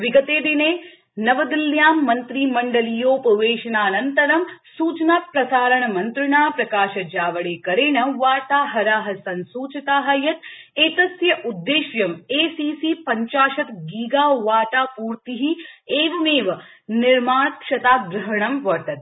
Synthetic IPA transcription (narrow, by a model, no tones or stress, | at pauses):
ʋiɡɐt̪eːd̪ineː | nɐʋɐd̪iljaːmːɐnt̪ɾiːmɐɳɖɐlijoːpɐʋeːʃɐnaːnɐnt̪ɐɾɐmsuːt͡ʃnaːt̪̚pɾɐsaːɾɐɳɐmɐnt̪ɾɪɳaːpɾɐkaːʃɐd͡ʒaːʋɐɭeːkɐɾeːɳɐʋaːt̪aːɦɐɾaːɦɐsɐnsuːt͡ʃɐt̪aːɦɐjɐt̪ | eːt̪ɐsjɐʔud̪ːeːʃjɐmeːsiːsiːpɐɲt͡ʃaːʃɐt̪ɡiːɡaːʋaːʈ̪aːpuːɾt̪iɦieːʋɐmeːʋɐ | niɾmaːt̪̚kʃɐt̪aːɡɾɐɦɐɳɐmʋɐɾt̪ɐt̪̚